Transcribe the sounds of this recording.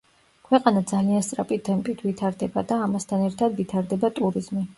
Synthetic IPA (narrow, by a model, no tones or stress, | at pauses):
kʰwɛqʼanad̪zalianst̪sʼɾapʼid̪ɛmpʼit̪ʰvit̪ʰaɾd̪ɛbad̪aːmast̪ʰanɛɾt̪ʰad̪vit̪ʰaɾd̪ɛbat̪ʼuɾiz̥mi